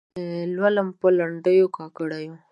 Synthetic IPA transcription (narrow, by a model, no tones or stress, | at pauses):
lwaləmpəlaɳɖəjokɑkəɽajo